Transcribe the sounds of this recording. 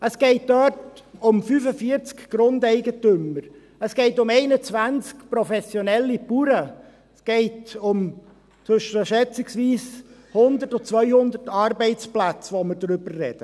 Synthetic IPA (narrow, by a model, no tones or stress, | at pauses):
əsɡ̥eɪt̚d̥œtʊmfyːfəfiːɾt͡skɡ̥ɾʊndɛɪɡətʏməɾ | əsɡ̥eɪtʊmeɪnət͡svænt͡skpɾɔfɛsjonɛlːipuːɾə | sɡ̥eɪtʊm | t͡sʏʃəʃɛt͡sɪksʋiːs | hʊnd̪ətɔt͡svœʏhʊnd̪ətɑɾbɛɪt͡splæt͡sʋoməɾdɾʏbəːɛd̥ə